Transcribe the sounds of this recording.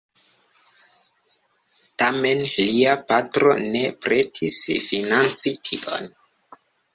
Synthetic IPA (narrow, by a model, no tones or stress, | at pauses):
tame̞nliapatɾo̞̰ne̞pɾetʰisfinant͡sitʰiʔo̰n